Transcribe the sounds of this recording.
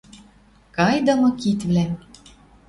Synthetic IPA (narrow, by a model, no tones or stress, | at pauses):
kɑjd̪ɤ̆mɤ̆kit̪βlæ